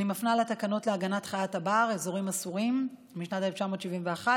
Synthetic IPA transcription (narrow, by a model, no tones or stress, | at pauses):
nimafnalatakano̞tleaɡanatχajatabaːʁezo̞ʁimasuʁim | miʃnateleft͡ʃamo̞tʃivimveaχa